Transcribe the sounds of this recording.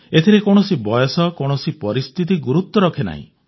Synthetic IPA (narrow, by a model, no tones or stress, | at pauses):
et̪ʰiɾekoɽ̃ɔsibɔjɔsɔkoɽ̃ɔsipɔɾist̪ʰit̪̬iɡuɾut̪ːwɔɾɔkʰena̰ɦḭ̃